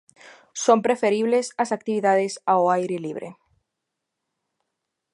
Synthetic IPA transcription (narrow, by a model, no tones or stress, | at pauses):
sompɾefeɾiβlesasak̚t̪iβiðaðesawajɾeliβ̞ɾḛ